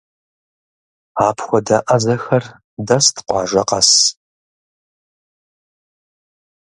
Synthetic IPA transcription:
aːpʰxʷɔdɐʔɐzɐxɐr | dɐstʰqʷɑ̰ːʒɐqɐs

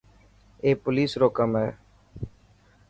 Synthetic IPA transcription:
eːpʊliːsɾoːkəmɦɛː

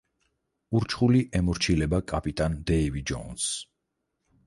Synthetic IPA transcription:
uɾt͡ʃʰχuliʔɛmuɾt͡ʃʰilɛbakʼapʼit̪ʼand̪ɛivid͡ʒɔ̰ns

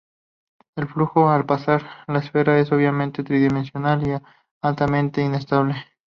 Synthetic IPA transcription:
e̞lfluxo̞alpasaɾlaesfe̞ɾae̞so̞βjamẽnt̪e̞t̪ɾiðimensjo̞nali | alt̪amẽ̞nt̪e̞ine̞st̪aβle̞

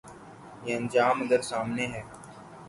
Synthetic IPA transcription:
jeə̃nd͡ʒaːmɐd̪əɾsaːmneɦɛː

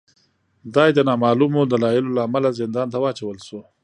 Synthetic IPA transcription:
d̪ɑjd̪ənɑmɑlumod̪alɑjɪlolaːmalazɪnd̪ɑnt̪awɑːt͡ʃawəlʃo

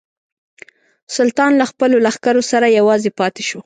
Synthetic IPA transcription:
sʊlt̪ɑnlaxpəlolaxkaɾosaɾajawɑzepɑt̪e̥ʃo

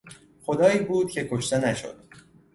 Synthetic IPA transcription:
xod̪ɒːiːbuːd̪̥̚cʰe̞kʰoʃt̪e̞næʃo̰d̪̥

